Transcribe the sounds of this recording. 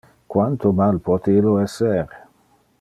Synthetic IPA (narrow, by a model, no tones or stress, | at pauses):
kwant̪omalpɔt̪ilːoɛsːeɾe